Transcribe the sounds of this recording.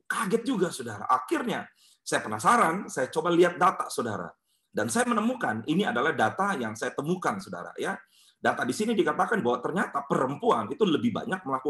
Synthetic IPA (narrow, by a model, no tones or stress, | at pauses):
kaɡɛt̪̚d͡ʒuɡasodaɾa̰ʔakɪrɲa | sajapənasaɾansajat͡ʃobaliat̪̚dat̪asoda̰ɾa̰ | dansajamənəmukaniniadalahdat̪ajaŋsajat̪əmukansoda̰ɾa̰ja | dat̪adisinidikat̪akanbawaʔt̪ərɲat̪apəɾəmpuanit̪uləbɪhba̰ɲak̚məlaku